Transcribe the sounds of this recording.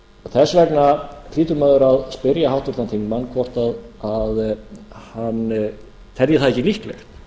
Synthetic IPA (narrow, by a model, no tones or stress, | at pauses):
ɔθɛsvɛknafliːt̪ʏmœːðʏɾaðspɪɾjahawt̪ʏɾt̪ant̪iŋkmankʰvɔr̥t̪aðaðhan | t̪ʰɛljɪθaðɛhcːɪlihklɛ̰xt̪